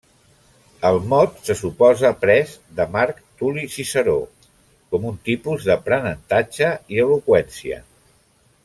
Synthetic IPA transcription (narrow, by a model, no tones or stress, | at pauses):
əlˠmɔt̪səsupɔzəpɾɛzðəmaɾkt̪ulisisəɾo | kɔmunt̪ipuzðəpɾənənt̪ad͡ʒəiəlukwɛnsiə̰